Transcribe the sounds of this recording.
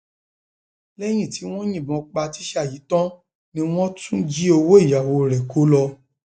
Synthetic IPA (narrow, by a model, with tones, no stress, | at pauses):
lɛ˦j̃ĩ˦˨ti˨˦w̃ɔ̃˦j̃ĩ˦˨bɔ̃˨˧k͡pa˧ti˨˦ʃɛ˦a˦˨ji˨˦tɔ̃˦ | nĩ˧˦w̃ɔ̃˦tũ˦d͡ʒi˦o˧wo˦i˦˨ja˨wo˧ɾɛ˨ko˨˦lɔ˧